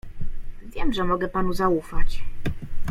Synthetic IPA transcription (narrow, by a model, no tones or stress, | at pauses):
vʲjɛmʐɛmɔɡɛpanuzaufat͡ɕ